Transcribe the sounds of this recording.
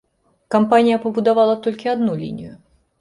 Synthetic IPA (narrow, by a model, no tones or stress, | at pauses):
kampanʲɪjɐpɐbud̪avalˠɐt̪ɔlʲkʲɪad̪nulʲḭnʲɪjʊ